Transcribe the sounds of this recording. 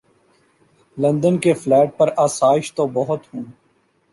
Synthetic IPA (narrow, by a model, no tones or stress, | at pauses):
lɐ̃nd̪ənkeflɛːʈ̚pɐɾaːsaːɪʃt̪obɐɦʊt̪hũː